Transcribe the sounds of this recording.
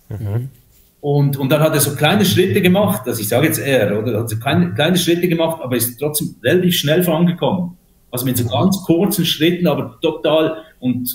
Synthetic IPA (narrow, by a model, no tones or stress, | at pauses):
ʊntʊnt̚d̥ɑnhɑteːɐzoːkʰl̥aɪnəʃʁɪtəɡəmɑχtazɪçsɑːɡəjɛt͡steːoːdəhatzokʰlaɪnəkl̥aɪnəʃʁɪtəɡəmɑχtʔɑːbəɾɪsttːʁ̥ɔt͡sd̥eːmʁelatiːfʃnɛlfoʁɑnɡəkʰɔmən | ʔɑlzomɪtzoːɡɑnt͡skʰʊɐt͡sn̩ʃʁɪtən̩ɑːbətotaːlʊnt